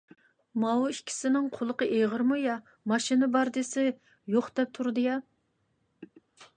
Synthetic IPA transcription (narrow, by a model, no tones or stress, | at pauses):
mɑwuikʲʰi̥sɪnɪŋqʰʊlˠəqəʔeʁəɾmujɑ | mɑʃinɨbɑɾd̪ɨsɪ | joχd̪ɛp̚t̪ʰuɾd̪ɨjɑ